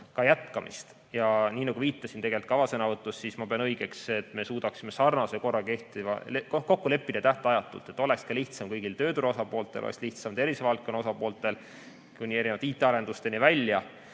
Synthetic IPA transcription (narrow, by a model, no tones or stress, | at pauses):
kɑjæt̪kɑmʔḭst̪ | jɑniːnɑɡ̥uviːt̪ˑːɑsint̪e̞ɡelit̪̚kɑvɑsenɑvɤt̪ːˑusːismɑpeɑnɤiɡ̥e̞kse̞t̪ːme̞suːd̪ɑksime̞sɑrnɑse̞ko̞rːɑke̞ht̪ivɑ̰lekoko̞kːule̞pːid̪ɑt̪æht̪eɑjɑt̪ːˑṵlt̪ːˑe̞t̪ːˑo̞le̞kskɑliht̪sɑmkɤjɡ̥ilt̪ø̞ːt̪uɾo̞sɑpo̞ːlt̪ːˑelʔo̰lḛksliht̪sɑmt̪e̞ɾisevɑlt̪kːˑo̞nːɑo̞sɑpo̞ːlt̪ːˑe̞l | kunʲie̞ɾinevɑd̪iːt̪ːˑe̞ɑɾe̞nd̪̥ust̪e̞nivælʲjɑ